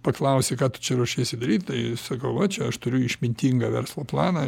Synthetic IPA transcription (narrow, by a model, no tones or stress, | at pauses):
pɐklˠɐʊsʲekɑːt̪ʊ̥t͡ʃʲɛɾuːʃʲeːjsʲɪd̪ɐɾʲiːt̪ʲt̪ɐɪsɐkɐʊʋɐt͡ʃʲɛɐʃt̪ʊɾʲʊɪʃʲmʲɪnʲt̪ʲiŋɡɑːʋʲɛ̰ɾslˠoːplˠɑːnɑ